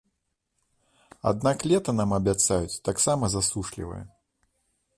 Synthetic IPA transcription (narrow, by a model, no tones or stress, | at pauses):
a̰d̪̚naklʲɛt̪ɐnamɐbʲat̪sajut͡sʲt̪aksamɐzasuʂlʲḭvɐ̰jɛ̰